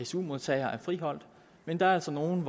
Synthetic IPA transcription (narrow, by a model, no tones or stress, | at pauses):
esumo̝ðˠt͡sʰɛ̰ɪɐʔæɐfʁiɦɒ̽l̰d̥ | mend̥ɑ̈æɐæl̰sɒno̝ːn̩ʋ